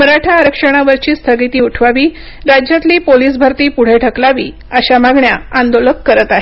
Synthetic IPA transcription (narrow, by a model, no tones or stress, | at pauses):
məɾaʈʰaːɾəkʂəɽ̃aʋəɾt͡ɕiːst̪ʰəɡit̪iːuʈʰʋaʋiː | ɾad͡ʑjat̪liːpoliːsbʱəɾt̪iːpuɽ̤eʈʰəklaʋiː | əɕamaɡɳjaand̪oləkːəɾət̪aɦe